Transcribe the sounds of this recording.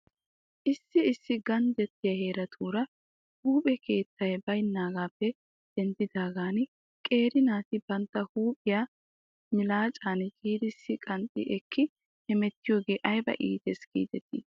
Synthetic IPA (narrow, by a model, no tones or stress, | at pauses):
ʔɪsːɪɪsːɪɡɐnd̪ɛt̪ːɪjɐheːɾɐt̪ʰuːɾɐ | huːpʼɛkʰe̞ːt̪ːɐjbɐjnːaːɡaːpːɛ | d̪̥ɛnd̪ɪd̪aːɡaːn | kʼe̞ːɾɪnaːt̪ɪbɐnt̪ːɐhuːpʼɪjaː | hmɪlaːt͡ʃʼaːnkʼiːd̪ɪsːɪkʼɐnt̪ʼɪ̰ʔɛkʰːɪ | hɛmɛt̪ːɪjo̞ːɡe̞ːʔɐjbɐ̰ʔḭːt̪ɛsɡḭːd̪ɛt̪ːɪ̰